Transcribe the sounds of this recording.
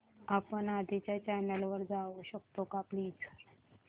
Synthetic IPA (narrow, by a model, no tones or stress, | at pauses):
apənad̪ʱit͡ɕjat͡ɕɛnelʋəɾd͡zaʋoɕək̚t̪okaplit͡sʰə̥ɾ